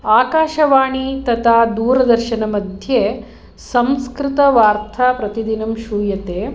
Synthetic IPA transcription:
aːkaːʃɐʋaːɳit̪ɐt̪ʰaːd̪uːɾɐd̪ɐɾʃɐnɐmɐd̪ʱjeː | sɐmskɾɪt̪ɐʋaːɾt̪ʰaːpɾɐt̪id̪inɐmʃuːjɐt̪eː

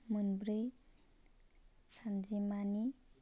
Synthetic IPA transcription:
mɯnbɾej | sʰand͡ʒimani

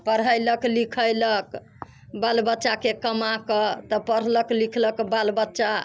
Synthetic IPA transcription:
pəɾɦəjləklikʰəjlək | balbətːʃakekəmakət̪ɔpəɾ̤ləklikʰləkbalbətːʃa

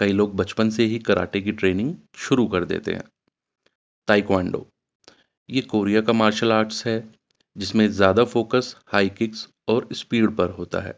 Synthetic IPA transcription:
kɐiloːɡ̚bɐt͡ʃpənseɦikɐɾʔa̰ːʈek̬iʈɾeːnɪ̃ŋɡ | ʃʊɾukɐɾd̪ḛːt̪ḛɦɛ̰̃ː | t̪aːɪkwɛ̃ːɳɖo̰ː | jeːkoːɾijakamaːɾʃəlaːɾʈsɦɛ | d͡ʒɪsmẽzjaːd̪afoːkəshaːikɪks | ɔːɾɪspiːɾɖpɐɾɦoːt̪a̰ɦɛ̰ː

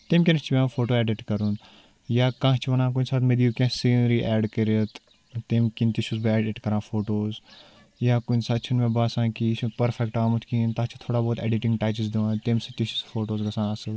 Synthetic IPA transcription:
t̪eːmkʲinst͡ʃʰiʋʲãːfoːʈoːɛːɖiʈkɐɾun | jaːkãːt͡ʃʰiʋɐnãːk̬unsaːt̪med̪iukʲẽːsiːnɾiːʔɛːɖkəɾət̪ | t̪eːmkint̪iʃus̬bɐɛːɖiʈkɐɾãːfoːʈoːz | jaːkunsat͡ʃʰunmẽːbaːsãːkit͡ʃpɐɾfʰɛkʈaːmut̪ʰkiːnt̪aːt͡ʃʰi̥t̪ʰoːɽaːboːt̪eːɖiʈĩŋɡʈaːt͡ʃizd̪iʋãːt̪eːmsɐt̪iʃu̥sfoːʈoːzɡɐsãːɐsɨl

